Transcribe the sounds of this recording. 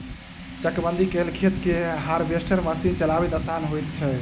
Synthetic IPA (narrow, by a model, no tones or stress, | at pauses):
t͡ʃəkbənd̪ʱikelkʰet̪keɦaɾbesʈəɾmasint͡ʃəlabet̪asanɦojt̪t͡ʃʰɛ